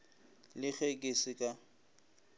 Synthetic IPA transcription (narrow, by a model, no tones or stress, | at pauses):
lɪk͡xekʼɪsɪkʼa